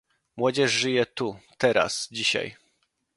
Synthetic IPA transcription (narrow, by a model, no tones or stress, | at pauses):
mwɔd͡ʑɛʂʐɘjɛt̪ut̪ɛɾa̰sd͡ʑiɕa̰j